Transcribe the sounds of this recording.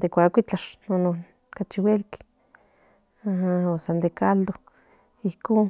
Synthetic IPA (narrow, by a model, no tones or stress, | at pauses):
d̪ekʷakʷit͡ɬaʃnonon | kat͡ʃiwelki̥ | ahaosand̪ekald̪o | ihkoːn